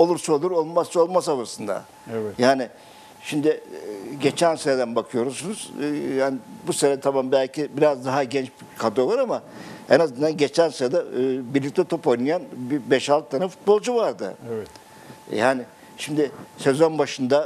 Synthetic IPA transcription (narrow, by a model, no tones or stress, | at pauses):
o̞lˠuɾsaolˠuɾo̞lˠmast͡ʃo̞lˠmasalˠasɯnd̪a̰ | jaːnɪ | ʃimd̪ɪɟe̞t͡ʃʰænseɾɛd̪ænbakʰɯjo̞ɾusunuz̥jaːnɪbuseɾɛt̪ʰamambælʲcʰibiɾazd̪aɦaɟɛnt͡ʃb | kʰad̪oolˠaɾamaenazɯnd̪anɟe̞t͡ʃʰænseɾad̪abiɾlʲic̚t̪ʰʲɛt̪ʰo̞pojnɯjanbibɛʃalˠt̪t̪ʰːanafu̥t̪̚bo̞lˠd͡ʒuvaɾd̪ɯ̰ | jaːnɪ | ʃimd̪ɪse̞zo̞nbaʃɯnd̪a